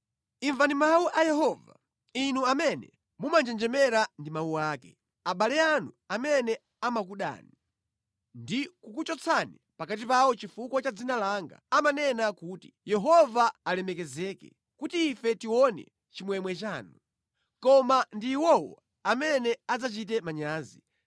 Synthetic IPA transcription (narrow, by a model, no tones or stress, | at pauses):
iɱvandimawuʔajɛɦɔva̰ | inuamɛnɛ̰ | mumand͡ʒɛnd͡ʒɛmɛɾandimawuaːkɛ | aɓalɛanu | amɛnɛ | amak̬uɗa̰ːni | ndikukut͡ʃɔt͡sʰani | pakat̬ipawɔt͡ʃifukwɔt͡ʃad͡zinalaŋɡa̰amanɛnakuti̥jɛɦɔvaːlɛmɛkɛzɛkɛ̰ | kutiːfɛtiwɔnɛ̰ | t͡ʃimwɛmwɛt͡ʃaːnu | kɔmandiːwɔwɔ̰ | amɛnɛad͡zat͡ʃit̬ɛmaɲaːzi